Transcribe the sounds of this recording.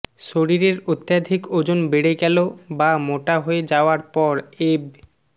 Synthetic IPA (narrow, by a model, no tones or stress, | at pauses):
ʃoɾiɾeɾot̪ːjad̪ʱikod͡ʑonbeɽeɡɛlobamoʈaɦoed͡ʑaoaɾpɔɾeb